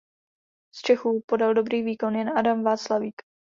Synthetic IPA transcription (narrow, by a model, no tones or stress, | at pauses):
st͡ʃɛxuːpo̞daldo̞bɾiːviːko̞njɛnadamvaːt͡slaviːk